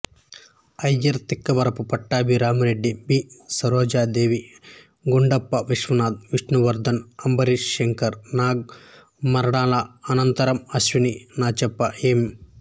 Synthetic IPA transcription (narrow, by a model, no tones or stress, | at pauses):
ɐjɐɾt̪ikːɐbɐɾɐpupɐʈːaːbʱiɾaːmɐɾeɖːibiːsɐɾoːd͡ʒaːd̪eːʋi | ɡuɳɖɐpːɐʋiʂʋɐnaːd̪̚ʋiʂnuʋɐɾd̪ɐnɐmbɐɾiʂːeŋkɐɾnaːɡ̚ | mɐɾɐɽaːlɐɐnɐnt̪ɐɾɐmɐʃʋininaːt͡ʃɐpːɐeːm